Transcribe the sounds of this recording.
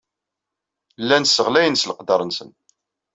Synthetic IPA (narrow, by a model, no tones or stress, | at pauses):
lːænsːəʁlæjənsləqd̪ɑɾˤənsən